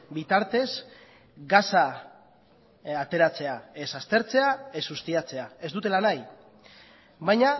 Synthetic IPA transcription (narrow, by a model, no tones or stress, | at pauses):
bit̪aɾt̪e̞z | ɡasa | at̪e̞ɾat͡se̞aesast̪e̞ɾt͡se̞aesust̪iat͡se̞ae̞zd̪ut̪e̞lanaj | βajɲa